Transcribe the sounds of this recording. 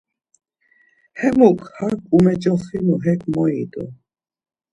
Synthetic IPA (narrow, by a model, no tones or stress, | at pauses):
hɛmukhakumɛd͡ʒɔxinuɦɛkmɔit̪ɔ̰